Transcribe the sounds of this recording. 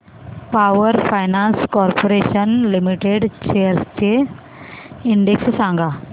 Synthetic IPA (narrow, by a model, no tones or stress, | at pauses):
paʋəɾfajnãnskɔɾpoɾeɕənlimiʈeɖt͡ɕejəɾst͡ɕe | iɳɖekssãŋɡa